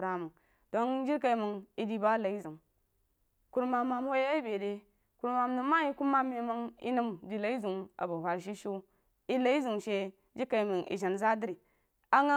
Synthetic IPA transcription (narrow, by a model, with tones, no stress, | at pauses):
ɾa˦mə˨ŋ | d̥o˦nd͡ʒi˦ka˨i˨mə˨ŋi˦di˦ba˦la˨i˦zu˨ŋ | ku˨˦ɾma˨ma˨m˦ho˦ja˦i˦be˨de˦ | ku˨ɾma˨mnu˨ma˦ji˦ku˦mːa˦me˨mə˦ŋḭ˦nu˦mdi˨la˨i˦zu˨ŋa̰˨bu˨ɦa˨ɾʃ̬i˦ʃu˦ | i˦la˦i˦zu˨ŋʃe˦ | d͡ʒi˦ka˨mə˨ŋḭ˨ʒa˨nza˦di˦ɾi˨ | a˦ŋa˦